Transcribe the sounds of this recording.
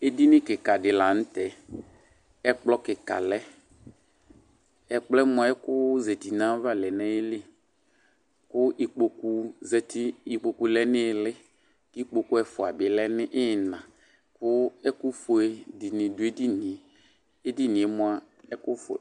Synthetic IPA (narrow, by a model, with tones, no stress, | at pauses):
e˦di˦nɪ̃˦kɪ˨ka˨dɪ˨la˨n̩˦tɛ˨ | ɛ˦k͡plɔ˦kɪ˨ka̰˨lɛ˦ | ɛ˨k͡plɛ˦mʊ˦˨a˨˦ɛ˦kʊ˦zɛ˨ti˨nã˨˦va˦lɛ˨nɛ̃˦je˦le˦ | kʊ˦i˨k͡po˨ku˦zɛ˨tɪ˦i˨k͡po˨ku˦lɛ˦nɪ˦˨lɪ˦ | ki˦k͡po˨ku˦ɛ˦fʊ˨a˨bɪ˨lɛ˦nɪ˦ʔɪ˦˨nã˨ | kʊ˦ɛ˦kʊ˦fo˨e˨dɪ˨nɪ̃˨dʊ˨˦e˦di˦nɪ̃˨ | e˦di˦nɪ̃˨ɛ˦mʊ˨a˨ | ɛ˦kʊ˦f